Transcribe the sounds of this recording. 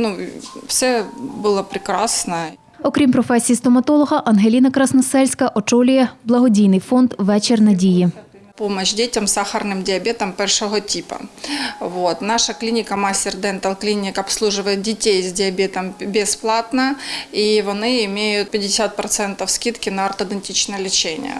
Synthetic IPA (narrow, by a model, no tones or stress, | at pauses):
nufsʲɛbɨlˠɐpɾʲɪkɾasnɐ | ɔkɾʲimpɾɔfɛsʲijist̪ɔmɐt̪ɔlˠɔɦɐʔɐnɦelʲinɐkɾɐsnɔsɛlʲsʲkɐʔɔt͡ʃɔlʲʊjɛblˠɐɦɔdʲijnɪjfond̪ʋɛt͡ʃɪrnɐdʲiji | pomɐɕdʲetʲɐmsaxɐrnɨmdʲɪɐbʲet̪ɐmpɛrʂɔɦɔtʲipɐ̰ʋot̪naʂɐklʲinʲɪkɐmasʲtʲɪrd̪ɛnt̪ɐlˠklʲinʲɪkɐpslˠuʐɨʋɐjɪt̪̚dʲɪtʲejzdʲɪɐbʲet̪ɐmbʲɪsplˠat̪nɐiʋɔnɪɪmʲejʊt̪̚pʲɪdʲɪsʲat̪̚pɾɐt̪sɛnt̪ɐfskʲit̪kʲɪnɐɐrt̪ɐd̪ɐnʲtʲit͡ɕnɐjɛlʲɪt͡ɕenʲɪ̰jə̰